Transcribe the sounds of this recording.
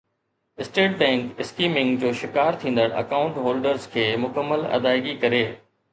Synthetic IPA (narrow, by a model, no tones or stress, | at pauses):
ɪsʈeːʈ̚bɛ̃ːŋkɪskiːmɪ̃ŋɡd͡ʑoːʃɪkaːɾt̪ʰĩːnd̪əɽ̃ɐ̰kaːʊ̃ɳʈɦoːlɖəɾzkʰeːmʊkəmːəlɐ̰d̪aːɪɡikɐɾeː